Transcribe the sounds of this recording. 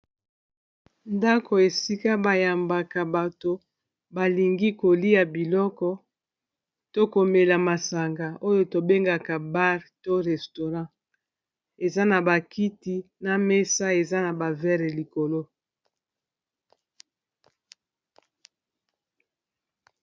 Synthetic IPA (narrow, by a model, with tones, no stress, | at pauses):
nda˦ko˨e˨si˦ka˦ba˨ja˨mba˨ka˨ba˨to˨ | ba˨li˨ŋɡi˦ko˨li˦a˨bi˨lɔ˦kɔ˦ | to˦ko˨me˨la˨ma˨sa˨ŋɡa˨o˦jo˦to˨be˦ŋɡa˨ka˨ba˦ʁto˦ʁɛ˨sto˨ʁã˦ | e˨za˦na˨ba˨ki˦ti˦na˦me˦sa˦e˨za˦na˨ba˨vɛ˦ʁli˨ko˨lo˦